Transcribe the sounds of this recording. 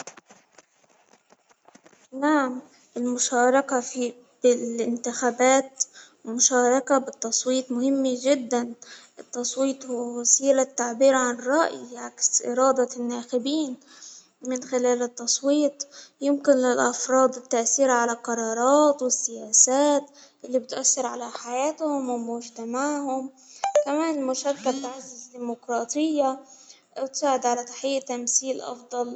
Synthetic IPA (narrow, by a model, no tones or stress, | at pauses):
naʕam | ʔɪlmʊʃɑːɾˤɑkafi | b̥ɪlɪnt̪ɪxaːbaːt̪wmʊʃɑːɾˤɑkabɪt̪ːɑsˤwiːt̪ˤmʊhɪmːiʒɪd̪ːanʔɪt̪ːɑsˤwiːt̪ˤhʊwasiːlat̪ːaʕbiːɾʕanɪrˤːɑʔjʕaksʔɪ̰ɾɑːd̪ɑnːaːxɪbiːn | mɪnxɪlaːlɪt̪ːɑsˤwiːt̪ˤjɪmkɪnlɪlʔɑfɾˤɑːd̪ˤɪt̪ːaʔθiːɾaʕalalqɑɾˤɑːɾˤɑːt̪wɪsːɪjaːsaːt̪ʔɪlːibɪt̪ʔaθːɪɾʕalaħajaːt̪hʊmmmʊʒt̪amaʕhʊm | kamaːnmʊʃakːalt̪aʕazːɪzd̪iːmʊkɾˤɑːt̪ʰˤɪjːa | wɪt̪saːʕɪd̪ʕalat̪ḁħɪjːat̪amθiːlʔɑ̰fd̪ˤɑl